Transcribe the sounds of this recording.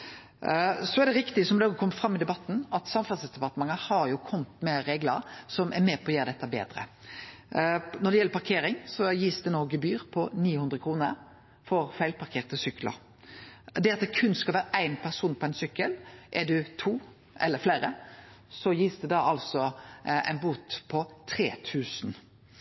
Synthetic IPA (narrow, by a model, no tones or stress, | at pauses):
sɔæd̪ɛɾɪkt̪ɪsɔmd̪ɛɔɡkʰɔmːəfɾɑmːɪd̪ɛbɑt̪ːn̩ɑt̪sɑmfɑsəsd̪ɛpɑɾt̪əmɑŋəhɑɾjʊkʰɔmt̪mɛɾeːɡlə̰ɾsɔmʔɛ̰ɾmeːpʰɔɔjøːd̪ɛt̪ːəbḛːd̪ɾə̰ | nɔɾɖ̪ɛjɛlːəɾpʰɑɾkʰeːɾɪŋsɔjiːsd̪ɛnoːɡəbyːɾpʰɔniːhʉnd̪ʁəkʰɾuːnə̰ɾ | fɔʁfæɪlpɑɾkʰeːʁt̪əsʏklə̰ɾ | d̪ɛɑt̪̚d̪ɛkʰʉnːskɑlʋæːɾəʔæɪnpʰæʁsuːnpʰɔæɪnsʏkːəlʔɛd̪ʉt̪ʰuː | ʔɛlːəɾflæːɾəsɔjiːsd̪ɛd̪ɑʔɑlsɔæ̰ɪnbuːt̪pʰɔt̪ʰɾeːt̪ʰʉːsn